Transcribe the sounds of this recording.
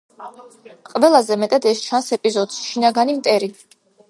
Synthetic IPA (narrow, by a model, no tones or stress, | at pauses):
qʼvɛlˠazɛmɛt̪ʼad̪ɛst͡ʃʰansɛpʼizɔd̪sʃinaɡanimt̪ʼɛɾi